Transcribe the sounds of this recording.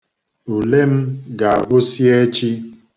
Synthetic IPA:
u˨le˦m̩˦ɡa̰˨ʔo˦si˦e˦t͡ʃi˦

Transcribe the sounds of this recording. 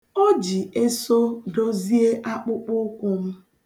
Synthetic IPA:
ɔ˦d͡ʒi˨e˦so˦do˦zi˦e˦ʔa˦k͡pʊ˦k͡pʊ˦kʷʊ˦m̩˦

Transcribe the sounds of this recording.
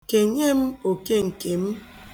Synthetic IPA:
ke˨ɲe˦m̩˦o˨ke˦ŋ̩˨ke˨m̩˦

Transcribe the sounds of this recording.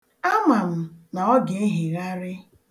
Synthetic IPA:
a˦ma˨m̩˨na˨ɔ˦ɡe˨˦e˦ɦi˨ɾa˦ɾɪ˦

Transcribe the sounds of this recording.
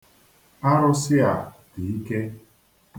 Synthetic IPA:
a˦ɾʊ˦sɪ˦a˨di˨i˦ke˦

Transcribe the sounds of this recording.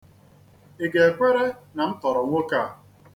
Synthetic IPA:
e˨ɡe˨e˨kʷe˦ɾe˦na˨n̩˦tɔ˨ɾɔ˨ŋʷo˦ka˦˨

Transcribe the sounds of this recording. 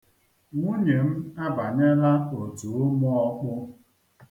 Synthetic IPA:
ŋu˦ɲe˨m̩˦a˦ba˨ɲe˦ɾa˦o˨tu˨o˦mʊ˦ɔ˦k͡pʊ˦

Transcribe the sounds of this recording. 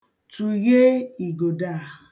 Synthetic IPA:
tu˨je˦i˨ɡo˨da˦˨

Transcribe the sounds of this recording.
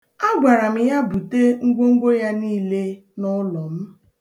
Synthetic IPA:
a˦ɡʷa˨ɾa˨m̩˨ja˦bu˨te˦ŋ̩˦ɡʷo˦ŋ̩˦ɡʷo˦ja˦niː˦˨le˦ | nɔ˦lɔ˨m̩˦

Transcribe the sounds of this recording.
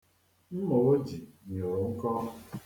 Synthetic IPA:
m̩˦mo˨o˦d͡ʒi˨ɲo˨ŋ̩˦kɔ˦

